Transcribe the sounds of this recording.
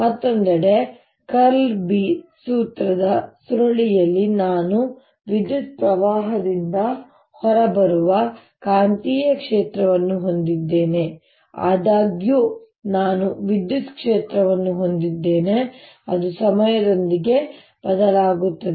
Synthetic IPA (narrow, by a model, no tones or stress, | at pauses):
mɐt̪ːond̪ɐɽe̞ | kɐɾlbisuːt̪ɾɐd̪ɐsuɾɐɭijɐlːinaːnu | ʋid̪jut̪̚pɾɐʋaːɦɐd̪ind̪ɐ | hɔɾɐbɐɾuʋɐ | kaːnt̪iːjɐkʂeːt̪ɾɐʋɐnːuɦond̪id̪ːe̞ːne̞ | a̰ːd̪aːɡju | naːnuʋid̪jut̪kʂeːt̪ɾɐʋɐnːuɦo̞nd̪id̪ːe̞ːne̞ | ɐd̪usɐmɐjɐd̪o̞nd̪iɡe̞ | b̥ɐd̪ɐlaːɡut̪ːɐd̪e